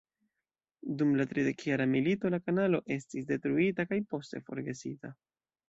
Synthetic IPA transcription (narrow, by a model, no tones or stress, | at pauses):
dumlatɾide̞kjaɾamilito̞lakanalo̞ʔe̞stisde̞tɾuitakajpo̞ste̞fo̞̰ɾɡe̞sita